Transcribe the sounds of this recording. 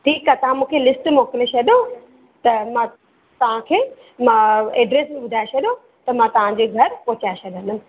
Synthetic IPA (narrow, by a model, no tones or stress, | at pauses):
ʈʰiːkaːt̪ɐʋ̤ãmũːkʰelɪsʈmoːkɪlet͡ɕʰɐɗjo | t̪ɐmãː | t̪ɐʋ̤ãkʰeː | mãeːɖɾeːsbiʋʊd̪ʱaːet͡ɕʰɐɗjo | t̪ɐmãt̪ɐʋ̤ãd͡ʑeːɡʱɐɾpoːt͡ɕaːet͡ɕʰɐɗə̃nʊnɪ̆